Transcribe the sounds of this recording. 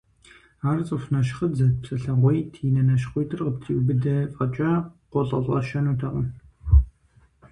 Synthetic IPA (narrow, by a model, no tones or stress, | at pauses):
aːrt͡sʼɨfnɐʃχədzɐpsʼɐɬɐʁʷɔjtʰiːnɐnɐʃ̬χʷɔjtʰɨrqəp̚tʰiwbɨdɐfʼɐt͡ʃʼɐqʷɔɮʼɐ̰ɮʼɐʃɐnutʰɐqən